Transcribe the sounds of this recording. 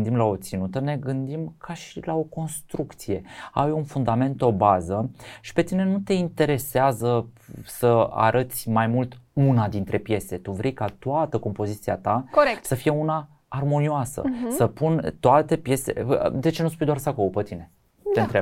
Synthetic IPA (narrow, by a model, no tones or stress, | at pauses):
nd̪imlao̞t̪sinut̪əne̞ɡɨnd̪imkʰaʃilao̞ko̞nst̪ɾukt̪sije̞a̰junfund̪ame̞nt̪o̞bazəʃi̥pe̞t̪ine̞nut̪e̞int̪e̞ɾe̞seazəsəa̰ɾʔət̪sʲmajmult̪unad̪int̪ɾe̞pje̞set̪uvɾejkat̪oat̪əko̞mpo̞zit̪sia̰t̪akoekt̪səfije̞unaː | rmo̞nioasə̰səpunt̪oat̪e̞pje̞sḛd̪e̞t͡ʃe̞nuspujd̪oarsakolopət̪ine̞ | t̪ent̪ɾeb